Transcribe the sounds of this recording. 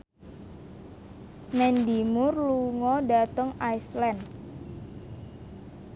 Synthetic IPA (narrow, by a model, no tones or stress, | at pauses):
mɛndimʊrluŋɔɖat̪əŋajslɛnd